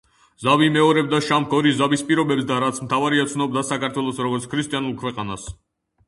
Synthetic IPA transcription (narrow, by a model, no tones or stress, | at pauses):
zavimɛɔɾɛb̚d̪aʃamkʰɔɾizabispʼiɾɔbɛbsd̪aɾat̪sʰmt̪ʰavaɾiat̪sʰnɔb̚d̪asakʰaɾt̪ʰwɛlˠɔsɾɔɡɔɾt̪sʰkʰɾist̪ʼianulˠkʰwɛqʼana̰s